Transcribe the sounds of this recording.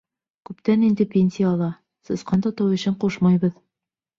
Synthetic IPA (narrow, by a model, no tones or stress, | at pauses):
kʉpt̪ænind̪ɘpʲenʲsʲijːlˠɑ | sɤ̆sqɑnt̪ɒt̪ɑwɵ̆ɕɘɴquʃmɑjβɤð